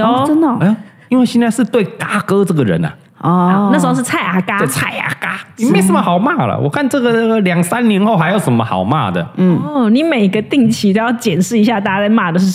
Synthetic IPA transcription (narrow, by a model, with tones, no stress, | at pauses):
ɔ˥˧ə˥nd̪ə˨˥ | i˥nwe˥˧ɪɕɛ˥˧nt͡sa˥˧ɪʂɻ̩˥˧t̪we˥˩ɪka˥kɤ˥ʈ͡ʂɤ˥˩ɡə˩ɻə̰˧˦na̰˨ | ɔ˥˧a˥˩ʂ̩˧˥o˧ʂɻ̩˥˧t͡sʰa˥˩ɪʔa˧˥ka˥e˥˩t͡sʰa˥˩ɪa̰˧˥ka˥ni˨˩me˧˥ɪsə˨˥nmə˧xɑ˨˩ʊma˥˩lə̰˨˩wʔɔ̰˨˩kʰa˥˧nʈ͡ʂɤ˥˩ɡə˨˩˨ljɑ˨˩ŋsa˦nnjɛ˧˥nxo˥˩ʊxɪjo˧˩ʊʂə˧˦nmə˧xɑ̰˨˩ʊma̰˥˩d̪ə̰˩˥˩ni˧˥˦me˨˩ɪi˧˦ɡə˧t̪i˥˩ŋt͡ɕʰi˧˥t̪o˧˥jɑ˥˩ʊt͡ɕjɛ˨˩nʂɻ̩˥˩i˧˥ɕja˥˧t̪a˥˧˩a˥a˥˧ma˥˩d̪ə˨˩ʂ̩˥˩